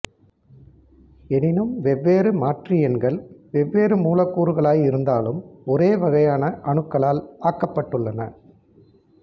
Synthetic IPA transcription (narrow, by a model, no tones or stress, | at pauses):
ɛnɪnɯmʋɛʋːeːɾɯmaːʈrɪjɛnɡɐɭʋɛʋːeːɾɯmuːlɐkːuːɾɯɣɐɭaːjɪɾɯnd̪aːlɯmɔɾeːʋɐɣɐjaːnɐʔɐɳɯkːɐɭaːlaːkːɐpːɐʈːɯɭːɐnɐ̰